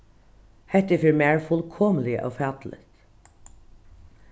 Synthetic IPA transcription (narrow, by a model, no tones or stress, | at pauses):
hɛht̪əfiːɹmæːɹfʊlkʰoːməlɪə̰ʔɑ̰fɑːt̪l̩ɪ̰t̪